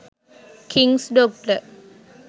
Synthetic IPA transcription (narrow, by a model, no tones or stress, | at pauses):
kʰiŋsɖoːk̚ʈə